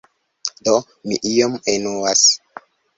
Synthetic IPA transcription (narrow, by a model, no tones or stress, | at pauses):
do | mḭʔijomenowas